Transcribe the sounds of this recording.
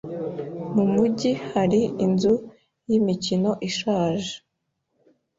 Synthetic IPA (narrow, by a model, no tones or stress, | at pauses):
mumuɟihaɾiinzu | jimicino̞ʔiʃaːʒe̥